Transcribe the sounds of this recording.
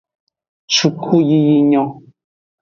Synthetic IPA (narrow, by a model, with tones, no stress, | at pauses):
t͡ʃu˨kʰu˦ji˧ji˧ɲɔ̃˨